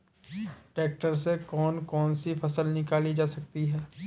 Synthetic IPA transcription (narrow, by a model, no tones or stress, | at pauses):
ʈeːk̚ʈəɾsekɔːnkɔːnsifʰɐsəlnɪkaːlid͡ʒaːsɐk̚t̪iɦɛː